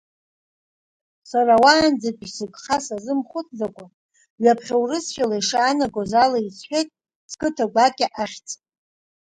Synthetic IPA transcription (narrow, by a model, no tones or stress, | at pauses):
sarawaːnd͡zakʼsɨɡʼχasazɨmχʷʊt͡sʼd͡zakʷʼa | ɥapʰχʲawrɨsʃalaiʂaːnaɡʷozalait͡sʰħʷᶣejtʼ | skʼɨtʰaɡʷakʲʼɪʔaχʲt͡sʼ